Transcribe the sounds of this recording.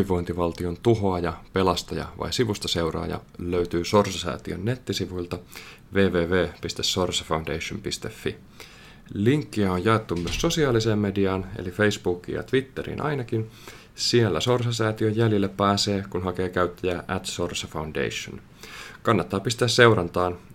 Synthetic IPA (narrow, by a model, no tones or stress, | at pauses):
yiʋo̞jnt̪iʋɑlt̪io̞nt̪uɦo̞ɑjɑpe̞lɑst̪ɑjɑ̰ʋɑ̰jsiʋust̪ɑse̞wɾɑ̰ːjɑ̰løɥt̪yːso̞rsɑsæ̰ːt̪iø̰nːet̪ːisiʋuilt̪ɑ | ʋe̞ːʋe̞ːʋeːpist̪esːorsɑfɑundejʃompist̪efːi | liŋkːiæojjɑet̪ːummyøsso̞siɑːliseːmme̞diɑːnḛlife̞isb̥uːkːḭjɑ̰t̪ʋit̪ːeɾḭːnʔɑ̰jnɑkin | sielːæso̞rsɑsæːt̪iøjːæljilːepːæːse̞ːkunɦɑke̞ːkæyɥt̪ːæjæːʔæt̪sorsɑfɑwndḛiʃo̰n | kɑnːɑt̪ːɑːpist̪æːsse̞uwɾɑnt̪ɑːn